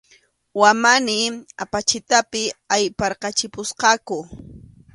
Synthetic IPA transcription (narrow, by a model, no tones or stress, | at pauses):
wamanɪapat͡ʃɪt̪apɪajpɑɾqɑt͡ʃɪpʊsqɑkʊ